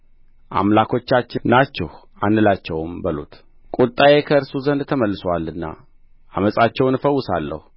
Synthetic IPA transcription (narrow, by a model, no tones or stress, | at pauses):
ʔa̰mlakʰo̞t͡ʃːat͡ʃːɪnat͡ʃːɛh | anːɨlat͡ʃːɛwmbəlṵt̪ | kʼut̪ʼːajekʰəɨɾsuzənd̪t̪ʰəməlːɨsalɨnːa̰ | ʔaməsʼat͡ʃːɛwnɨfəwːʊsalːə̰hu